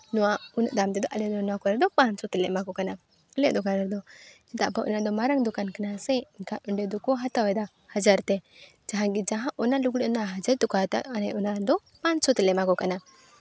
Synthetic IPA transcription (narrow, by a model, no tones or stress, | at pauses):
nuwaunʔd̪amt̪ɛd̪ɔʔalɛd̪ɔnakɔɾɛɾd̪ɔpansɔt̪ɛlɛʔmakɔkana | ɔlɛ̰ʔd̪ɔkaɾɛɾd̪ɔd͡ʒɛt̪a̰ʔpaʔṵnad̪ɔmaɾaŋd̪ukankanasɛinkaʔuɳɖɛd̪ɔkɔɦat̪awɛd̪a | had͡ʒaɾt̪ɛ | d͡ʒaɦãɡid͡ʒaɦãʔɔnaluɡɽʔnaɦad͡ʒaɾt̪ukat̪a̰ʔanɛʔunad̪ɔ | pansɔt̪ɛlɛʔmakɔkana